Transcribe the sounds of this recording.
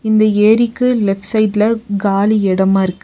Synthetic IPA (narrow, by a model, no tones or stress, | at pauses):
ɪnd̪ɐeːɾikːɯlɛpʈsɐɪʈlɐɡaːliɛɽɐmaːɪɾɯkːɯ̥